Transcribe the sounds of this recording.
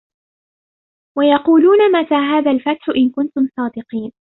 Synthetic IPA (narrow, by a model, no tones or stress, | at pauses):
wajɑquːluːnamat̪aːɦaːðalfat̪ħʊʔɪnkʊnt̪ʊmsˤɑːd̪ɪqiːn